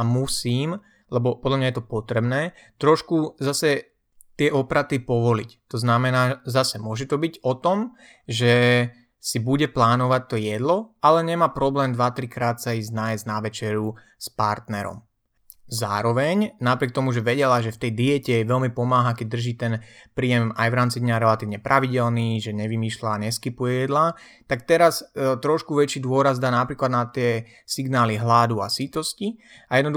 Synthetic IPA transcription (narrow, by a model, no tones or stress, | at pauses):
amusiːm | lɛbɔpɔd̪lamɲajɛt̪ɔpɔt̪ɾɛbnɛː | t̪ɾɔʃkuzasɛ | t̪ɪɛʔɔpɾat̪ipɔʋɔlḭct̪ɔznamɛnaːzasɛmʊɔʒɛt̪ɔbiɟɔt̪ɔm | ʒɛ | sibuɟɛplaːnɔʋac̚t̪ɔjɛd̪lɔʔalɛɲɛmaːpɾɔblɛːmd̪ʋat̪ɾikɾaːt̪saiznajɛznaʋɛt͡ʃɛɾu | spaɾt̪nɛɾɔ̰m | zaːɾɔʋɛɲnapɾɪɛk̚t̪ɔmuʒɛʋɛɟɛlaʒɛft̪ɛjd̪ijɛcɛɛʋɛlmipɔmaːɦakɛɟ̚d̪r̩ʒiːt̪ɛnpɾiːjɛmajʋɾaːmt͡sid̪ɲaɾɛlat̪iːʊɲɛpɾʔaʋiɟɛlniːʒɛɲɛʋimiːʃlaːɲɛskipujɛjɛd̪la | t̪ak̚t̪ɛɾast̪ɾɔʃkuʋɛt͡ʃiːd̪ʊɔɾazd̪aːnapɾiːklad̪nat̪ɪɛ | siɡnaːliɦlad̪uasit̪ɔsci | ajɛd̪nɔd̪u